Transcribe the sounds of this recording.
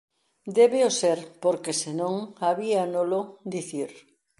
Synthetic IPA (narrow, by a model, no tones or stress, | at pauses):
d̪eβeoseɾpoɾkesenõŋaβianolod̪iθiɾ